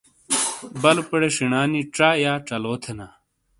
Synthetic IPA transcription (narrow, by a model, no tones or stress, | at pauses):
bɐlpɐɽeʂiɳaːniʈ͡ʂajaːʈ͡ʂɐloːt̪ʰena